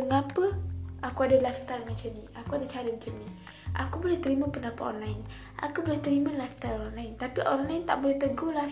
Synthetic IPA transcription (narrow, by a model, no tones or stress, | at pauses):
əŋapəakuadalaft̪almət͡ʃəniakuadat͡ʃaɾimət͡ʃənːi | ʔa̰kubolɛht̪əɾimapənapat̪ɔ̰nlain | ʔa̰kubolɛht̪əɾimalaft̪alɔnlaɪnt̪apiʔɔnlaint̪a̰ʔbolɛht̪əɡola